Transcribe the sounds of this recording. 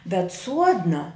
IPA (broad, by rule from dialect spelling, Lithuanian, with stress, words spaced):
bʲɛt ˈsuɔdnɐ